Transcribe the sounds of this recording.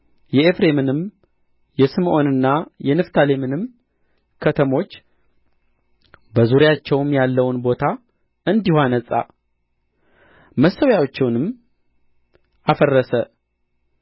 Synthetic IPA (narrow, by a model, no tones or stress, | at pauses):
jɛefɾe̞mɨnɨm | jɛsɨmʔo̞nɨnːajɛnɨft̪ʰale̞mɨnɨm | kʰət̪ʰəmo̞t͡ʃː | bəzuɾjat͡ʃːɛwmjalːəwnbo̞t̪ʰa | ɨnd̪ihanəsʼa̰ | məsːəwjawot͡ʃːɛwnɨm | ʔafərːəsə